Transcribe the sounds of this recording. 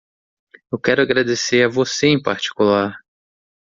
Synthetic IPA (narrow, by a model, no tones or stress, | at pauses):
ewkɛɾʊaɡɾad̪eseɾɐvoseẽj̃paɾt͡ʃi̥kulaɾ